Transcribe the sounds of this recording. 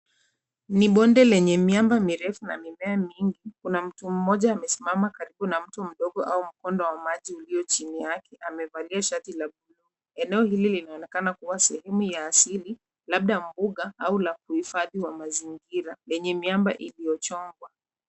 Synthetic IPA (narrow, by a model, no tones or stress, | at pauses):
niɓɔndɛlɛɲɛmjambamiɾɛfuna̰mimɛamiŋɡikunam̩tum̩mɔʄaːmɛsimamakaɾiɓunam̩tum̩ɗɔɠɔʔaum̩kɔndɔwamaʄiuliɔt͡ʃinijakʰɛʔamɛvaliaʃatilaɓulu | ɛnɛɔhililinaɔnɛkanakuwasɛhɛmujaːsili | laɓ̚ɗam̩buɠaaulakuhifaðiwamaziŋɡiɾalɛɲɛmjamba̰ʔiliɔt͡ʃɔŋɡwa